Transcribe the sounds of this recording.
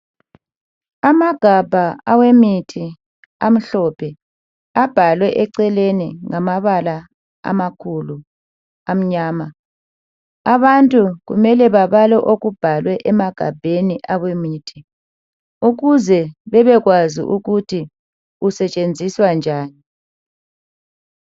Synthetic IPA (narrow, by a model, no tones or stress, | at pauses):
amaɡ̥ʱab̥ʱaawemitʰi | am̩ɬɔpʰɛ | ab̥ʱalwɛʔɛǀɛleniŋamaβala | a̰makʰulu | am̩ɲaːma | aβantʼuɣṵmɛlɛβaβalɛʔoɣub̥ʱalwɛʔɛmaɡ̥ʱa̰b̥ʱeniʔawemiːtʰi | uɣuzɛβɛβɛɣwazḭʔuɣutʰi | usɛt͡ʃʼend͡zʱiswand͡ʒʱaːni